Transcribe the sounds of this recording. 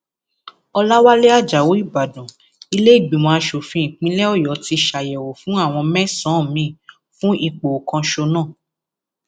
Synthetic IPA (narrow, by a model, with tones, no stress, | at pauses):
ɔ˧la˦wa˦le˦a˦˨d͡ʒa˨wo˨˦i˦˨ba˨dɔ̃˨ | i˧le˦i˦˨ɡ͡bĩ˨mɔ̃˧a˧ʃo˨fĩ˧ĩ˨k͡pĩ˨˦lɛ˦ɔ˦˨jɔ˨˦ti˧ʃa˨jɛ˨wo˨fũ˨˦a˦˨w̃ɔ̃˧mɛ̃˦sã˨˦˨mĩ˨˦˨ | fũ˦i˦˨k͡po˨kã˧ʃo˧nãː˦˨